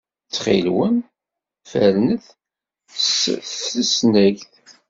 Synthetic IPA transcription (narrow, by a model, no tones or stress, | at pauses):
t͡sːχḭlwən | fæɾnəθ | səsnæʝθ